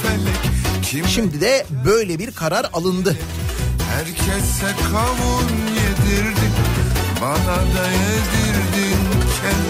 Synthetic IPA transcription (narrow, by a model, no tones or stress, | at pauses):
emɛct͡ʃʰiʃimd̪id̪ɛbø̞jlʲɛbiɾkʰaɾaɾalˠɯnd̪ɯ | hæɾcʰɛsːɛkʰavunjed̪iɾd̪imbanad̪ajed̪iɾd̪incʰɛ